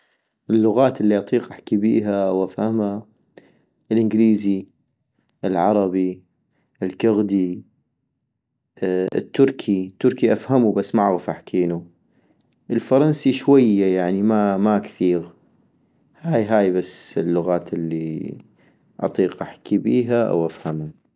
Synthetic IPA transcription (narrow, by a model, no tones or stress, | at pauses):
ʔɪlːʊɣaːt̪ɪlːiʔɑt̪ˤiːqʔaħkibḭːɦawʔafhamha | ʔɪlʔɪnɡliːzi | ʔɪlʕɑɾˤɑbi | ɪlkʊɣd̪i | t̪ːʊɾkʰit̪ːʊɾkiʔafhamubasːmaʕɣʊfʔaħkʰiːnu | ʔɪlfɑɾˤɑnsiʃwajːajaʕnimamakθiːɣ | haːjɦaːjbasːɪlːʊɣaːt̪ɪlːi | ʔɑ̰t̪ˤiːqʔaħkʰibiːɦaʔa̰wʔafhama